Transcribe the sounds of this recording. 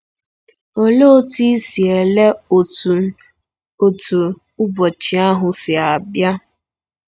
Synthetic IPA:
o˨lo˦ti˦si˨e˨le˦˨ | o˨tu˨ | ʊ˦bɔ˨t͡ʃi˨a˦ɦʊ˨sɪ˨a˨bja˦

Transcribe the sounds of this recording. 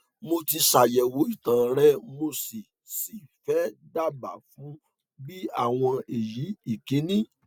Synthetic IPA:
mo˧ti˧ʃa˨jɛ˨wo˨˦i˦˨tã˨ɾɛ˦mo˧si˨ | si˨fɛ˦da˦˨ba̰˨fũ˨˦ | bi˦a˦˨w̃ɔ̃˧e˨ji˨˦i˦˨ke˨˦nĩ˦

